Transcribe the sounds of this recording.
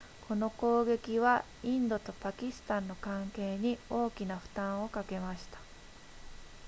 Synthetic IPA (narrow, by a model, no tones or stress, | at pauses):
kʰo̞no̞ko̞ːɡe̞kʲiβa | ĩnd̪o̞t̪o̞pakʲisɨ̥t̪ãnːo̞kãŋke̞ːɲ̟io̞ːkʲinaɸɯ̟̥t̪ãɰ̃o̞kake̞maɕi̥t̪ḁ